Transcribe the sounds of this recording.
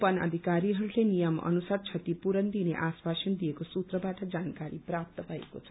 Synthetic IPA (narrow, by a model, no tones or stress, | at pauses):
pʌnʌ̰d̪ʱikaɾiɦʌɾulenijʌmʌ̰nusart͡sʰʌt̪ipuɾʌnd̪inḛʔaswasʌnd̪ijekosut̪rʌbaʈʌd͡zankaɾiprap̚t̪ʌbʱʌḛkot͡sʰʌ̥